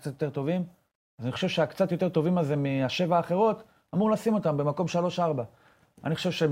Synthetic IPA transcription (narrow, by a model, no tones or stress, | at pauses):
kt͡sat̪jot̪e̞t̪o̞vim | azaniχo̞ʃevʃeakt͡sat̪jo̞t̪e̞ʁt̪o̞vimaze̞miaʃe̞vaːχe̞ʁo̞t | amuʁlasimo̞t̪ambe̞mako̞mʃalo̞ʃaʁba | a̰niχo̥ʃevʃe